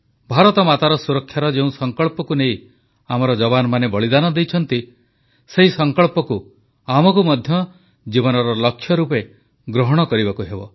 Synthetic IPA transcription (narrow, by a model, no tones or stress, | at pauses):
bʱaɾɔt̪ɔmat̪aɾɔsuɾɔkʰːjaɾɔd͡ʒeũsɔŋkɔɭpɔkunej | amɔɾɔd͡ʒɔbanɔmanebɔɭid̪anɔd̪ejt͡ʃʰɔn̪t̪i | seɦisɔŋkɔɭpɔku | amɔkumɔd̪ʱjɔ | d͡ʒibɔnɔɾɔlɔkʰːjɔɾupe | ɡɾɔɦɔɽ̃ɔkɔɾibakuɦebɔ̰